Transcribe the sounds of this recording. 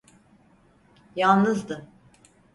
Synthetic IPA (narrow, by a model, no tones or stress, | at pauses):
jalˠnɯzd̪ɯ